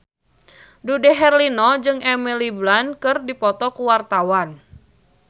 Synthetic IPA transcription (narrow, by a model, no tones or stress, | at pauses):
dudɛɦɛrlinɔd͡ʒɨŋɛmiliblankɨrdipɔt̪ɔkuwart̪awan